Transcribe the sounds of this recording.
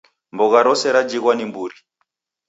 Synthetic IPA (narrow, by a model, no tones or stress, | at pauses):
mbɔɣaɾɔsɛɾad͡ʒiɣwanimbuɾi